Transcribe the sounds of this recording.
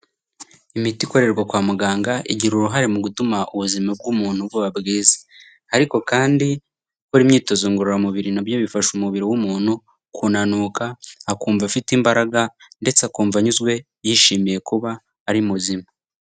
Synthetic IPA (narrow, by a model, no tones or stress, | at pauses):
imitiko̞ɾe̞ɾɡwakwaːmuɡaːŋɡaʔiɟiɾuɾuɦaɾe̞muɡutumaʔuβuzimab̚ɡumuːn̥hubɡuβabɡiːze̥ | haɾiko̞kaːndi | kuɾimɲiːto̞zoŋɡuɾoɾamuβiɾinabjoβifaʃumuβiɾiwumuːn̥hu | kʰuːnanuːkaːkuːɱvafitimbaɾaɡande̞t͡seakuːɱvaɲuzɡwe̞ | jiʃiːmije̞kuβaː | ɾimuzima